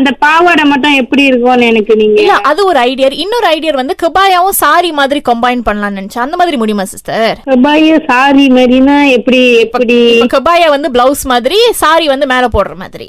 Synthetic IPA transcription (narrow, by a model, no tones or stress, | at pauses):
ɐnd̪ɐpaːʋɐɽɐmɐʈːʊ̃ɛpːɐɽiɪɾɯkːõnɛnɐkːɯniːŋɡɪɐlːɐʔɐðɯɔɾɯɐɪɽɪjɐɾɪnːɔɾɯɐɪɽɪjɐɾʋɐnd̪ɯkɪbaːjaːʋʊ̃saːɾimaːðɪɾikɐmbɐɪnpɐɳːɐlãːnɐnɪt͡ʃːɐ̃ɐnd̪ɐmaːðɪɾimʊɽɪjmaːsɐsaːɾkɛbaːjasaːɾimaːɾinãːɛpːɐɽipːɐɽikɐbaːjaːʋɐnd̪ɯblɐʊsmaːðɪɾisaːɾiʋɐnd̪ɯmeːlɐ̃poːɽɐɾɐma̰ːðɪɾḭ